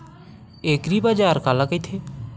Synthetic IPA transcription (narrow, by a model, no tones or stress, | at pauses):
ekɾibad͡ʒaːɾkalakəjt̪ʰe